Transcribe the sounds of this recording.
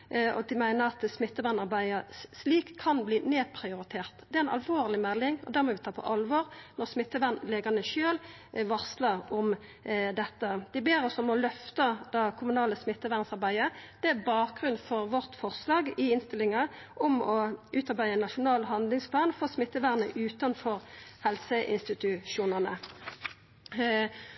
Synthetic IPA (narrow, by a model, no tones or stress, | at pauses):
ɔ̰d̪ɪmæɪnəʁɑt̪smɪt̪ːəʋænɑʁbæɪəsliːkʰːɑnbliːneːpʰʁɪʊɾɪt̪ʰeːʁt̪d̪ɛæɪnɑ̰lʋoːʁlɪmɛlːɪŋɔd̪æːʁmɔʋɪt̪ʰɑːpʰɔ̰ʔɑlʋoːʁnɔʁsmɪt̪ːəʋænleːɡənəʃøːl | ʋɑʁsləʁɔm | d̪ɛt̪ːəd̪̥ɪbeːɾɔsɔmɔlœft̪ɑd̪ɑkʰʊmʉnɑːləsmɪt̪ːəʋæʁnsɑʁbæɪəd̪̥ɛæbɑːɡʁʉnfɔʁʋɔʁt̪fɔʁslɑːɡɪɪnst̪ɪlːɪŋɑ | ʔɔmɔʔʉːt̪ɑʁbæɪəɛnɑʃʊnɑːlɦɑnd̪lɪŋspʰlɑːnfoːsmɪt̪ːəʋæʁnəʔʉːt̪ɑnfɔʁhɛlsəʔɪ̰nst̪ɪt̪ʉʃuːnənə